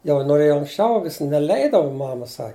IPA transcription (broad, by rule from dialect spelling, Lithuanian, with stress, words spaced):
jɛʊ noːˈrʲeːjoː ɐŋksʲˈt͡ʃʲɛʊ ʋʲɪs nʲɛˈlʲɛɪdɐʋʊ ˈmɑːmɐ ˈsɐ